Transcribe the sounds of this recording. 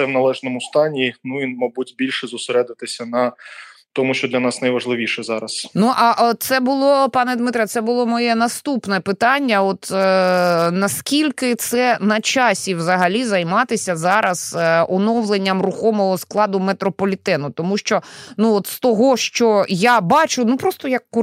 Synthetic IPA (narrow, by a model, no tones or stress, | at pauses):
ɛwnɐlˠɛʒnɔmʊst̪ɑnʲinuinmɐbutʲbʲilʲʃɛzʊseɾɛd̪ɪt̪ɪsʲɐnɐt̪ɔmʊʃt͡ʃɔd̪lʲɐnɑsnɐjʋɐʒlˠɪʋʲiʃɛzɑɾɐsnuʔɐʔɔt̪sɛbʊlˠɔpɑnɛd̪mɪt̪ɾʲjɐt̪sɛbʊlˠɔmɔjɛnɐst̪upnɛpɪt̪ɑnʲːɐɔt̪ | nɐskʲilʲkɪt̪sɛnɐt͡ʃɑsʲiwzɐɦɐlʲizɐjmɑt̪ɪsʲɐzɑɾɐz̥ɔnɔwlˠenʲːɐmrʊxɔmɔɦɔsklˠɑd̪ʊmet̪ɾɔpɔlʲit̪ɛnʊt̪ɔmuʃt͡ʃɔnuɔt̪st̪ɔɦɔʃt͡ʃɔjabɑt͡ʃʊnupɾɔst̪ɔjɐkː